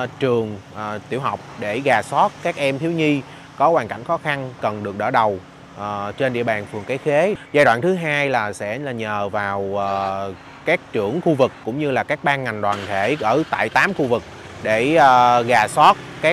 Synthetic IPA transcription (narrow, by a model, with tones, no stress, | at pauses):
t͡ɕɨ˨˩əŋʔːt̪i˧˩əwɦa˨˩wk͡p̚ɗe˧˩ɣaː˨˩sɔ˦˥t̚kaː˦˥k̚ʔɛ˧mt̪ʰi˨˦wɲi˧ | kɔ˨˦kwaː˨˩nka̰˧˩jŋ̟xɔ˨˦xa˧nkə˨˩nɗɨ˨˩ək̚ɗə̰ː˧˩ɗə˨˩w | ʔəː˨˩t͡ɕe˧nɗḭ˧əɓaː˨˩nfɨ˨˩əŋkaː˨˦jxe˨˦zaː˧jɗwa̰ː˧˨nt̪ʰɨ˨˦ɦaː˧jlaː˨˩sɛ̰˧˥laː˨˩ɲəː˨˩vaː˨˩wʔː | kaː˦˥k̚t͡ɕɨ˧˩əŋxu˧vɨ˨˩kːʊ̰˧˥ŋ͡mɲɨ˧laː˨˩kaː˦˥k̚ɓaː˧nŋa˨˩jŋ̟ɗwaː˨˩nt̪ʰe˧˩ʔəː˧˩t̪a̰ː˧˨jt̪aː˨˦mxu˧vɨ˨˩k̚ | ɗeː˧˩˨ɣaː˨˩sɔ˦˥t̚kaː˦˥